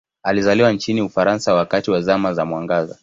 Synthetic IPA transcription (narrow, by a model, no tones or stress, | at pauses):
alizaliwant͡ʃiniufaɾansawakatiwazamazamwaŋɡaza̰